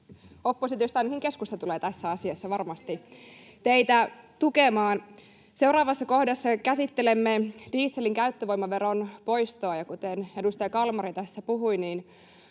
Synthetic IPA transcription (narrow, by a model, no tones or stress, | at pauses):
o̞pːosit̪jost̪ænːhiŋke̞skust̪ɑt̪uleːt̪æsːæɑsiɑsːɑʋɑrmɑst̪i | t̪eit̪æt̪ukemɑːn | se̞wɾɑːʋɑsːɑko̞hdɑsːɑkæsit̪ːele̞mːed̥iːsːe̞liŋkæyt̪ːøʋo̞jmɑʋe̞ɾo̞npo̞jst̪oɑjɑkut̪ene̞dust̪ɑjɑkɑlmɑɾit̪æsːæpuɦujniːn